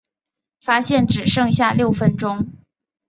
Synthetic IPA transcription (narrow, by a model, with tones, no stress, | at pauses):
fa˥ɕjɛ˥˩nʈ͡ʂɻ̩˨˩ʂɤ˥˧ŋɕja˥˧ljo˥˩ʊfə˥nʈ͡ʂʊ˥ŋ